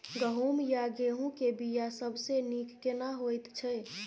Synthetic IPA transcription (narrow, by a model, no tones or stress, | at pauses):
ɡəɦumjaɡeɦũkebijasəbʱsenikːenaɦojt̪t͡ʃʰɛ